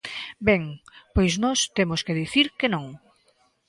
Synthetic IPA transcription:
bɛŋpojznɔst̪emʊskeðiθiɾkenõŋ

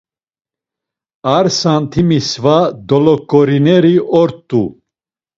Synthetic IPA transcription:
aɾsant̪ʰimisvad̪ɔlɔkʼːɔɾinɛɾiʔɔɾt̪ʼːu

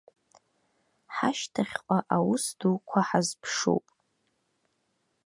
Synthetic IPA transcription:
ħaʃtʰaχʲqʷʼaʔawʊsduwkʷʰaħazpʰʂo̰wpʼ

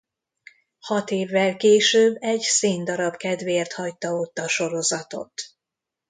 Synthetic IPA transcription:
hɒt̪eːvːɛlkeːʃøːbːɛɟseːnd̪ɒɾɒbkɛd̪veːrt̪hɒjt̪ɒot̪ːɒʃo̞ɾo̞zɒt̪o̞̰t̪

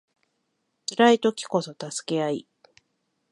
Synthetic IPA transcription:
t͡sɨɾait̪o̞kʲi̥ko̞so̞t̪asɨ̥ke̞ai

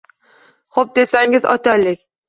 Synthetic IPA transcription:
χop̚d̪esaŋɪzɒ̰t̪ʰalːɪkʲ

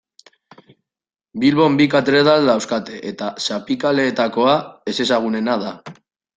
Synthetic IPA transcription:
bilβo̞mbikat̪ɾeðald̪awskat̪e̞ʔet̪asapikale̞ːt̪ako̞ae̞se̞saɣ̞une̞nað̞a

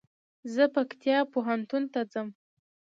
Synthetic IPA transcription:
zəpakt̪jɑpoɦant̪unt̪ad͡zəm

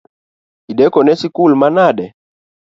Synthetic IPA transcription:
iɗɛkɔnɛsikulmanaɗɛ

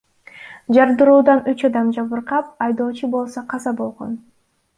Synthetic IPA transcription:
d͡ʒɑɾd̪ɯɾuːd̪ɑnyt͡ʃɑd̪ɑmd͡ʒɑβɯɾqɑp̚ɑjd̪o̞ːt͡ʃubo̞lˠsoqʰɑzɑbo̞lˠʁo̞̰n

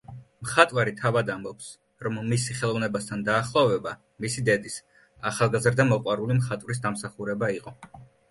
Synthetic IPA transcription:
mχat̪ʼwaɾit̪ʰavad̪ambɔps | ɾɔmːisiχɛlˠɔvnɛbast̪ʰand̪aːχlˠɔvɛba | misid̪ɛd̪is | aχalˠɡazɾd̪amɔqʼwaɾulimχat̪ʼvɾis̬d̪amsaχuɾɛbaiqʼɔ

